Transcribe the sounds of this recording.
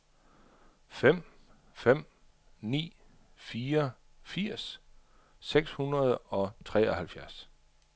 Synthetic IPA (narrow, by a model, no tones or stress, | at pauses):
fem̰ | fem̰ | nḭː | fiːɐ | fiɐ̰s | seɡ̥shunʁɐð̞ˠɒ̽t͡sʰʁɛ̰ːɒhælfjæɐs